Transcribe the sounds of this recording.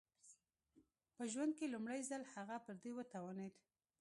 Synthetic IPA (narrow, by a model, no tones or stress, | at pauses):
pəʒwand̪̚kelumɽajzalhaɣapəɾd̪ewət̪awaned̪